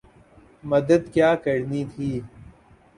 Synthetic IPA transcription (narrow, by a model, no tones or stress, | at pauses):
mɐd̪əd̪kjaːkɐɾniːt̪ʰiː